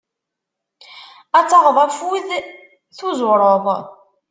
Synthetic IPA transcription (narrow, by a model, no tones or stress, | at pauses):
æt͡sːɑʁðˤæfwið | θuzɾˤoðˤ